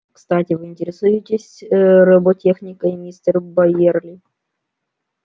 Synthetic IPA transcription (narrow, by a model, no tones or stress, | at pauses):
kst̪atʲɪvɨɪnʲtʲɪɾʲɪsujʊtʲɪsʲɾɨbotʲexnʲɪkəjmʲisʲt̪ʲərbɐjerlʲɪ